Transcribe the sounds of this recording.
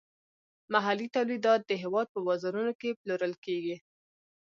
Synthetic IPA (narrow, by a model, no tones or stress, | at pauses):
maɦalit̪awlid̪ɑt̪̚d̪əɦɪwɑd̪̚pəwazaɾunokeploɾəlkeɡi